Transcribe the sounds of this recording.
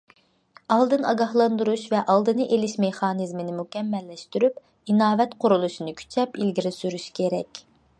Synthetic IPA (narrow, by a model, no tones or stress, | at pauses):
ɑlˠd̪ɨnɑɡɑhlˠɑnd̪uɾuʃvɛʔɑlˠd̪ɨnɨʔelɪʃmeχɑːnɨzmɨnɪmukʲɛmːɛlːɛʃt̪yɾyp | inɑːvɛt̪qʰʊɾulˠuʃinɨkʲʰy̥t͡ʃʰɛpilɡʲiɾɪsyɾyʃkʲʰeɾɛkʲ